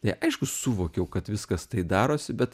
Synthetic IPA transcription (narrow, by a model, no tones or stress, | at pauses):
t̪ɐɪʔɐɪʃkʊsuʋoːkʲɛʊkɐt̪ʋʲɪskɐst̪ɐɪd̪ɑːɾoːsʲɪbʲɛt̪